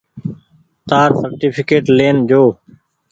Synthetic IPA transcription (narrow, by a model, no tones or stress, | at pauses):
t̪aːɾsəɾʈiːpʰɪkeːʈleːnd͡ʒoː